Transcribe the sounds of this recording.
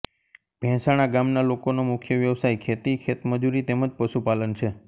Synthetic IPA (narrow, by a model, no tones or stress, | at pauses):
b̥ʱɛ̃saɽ̃aɡamnalokonomʊkʰjəʋjəʋsajkʰet̪ikʰet̪məd͡ʒuɾit̪eməd͡ʒpəʃupalənt͡ʃʰe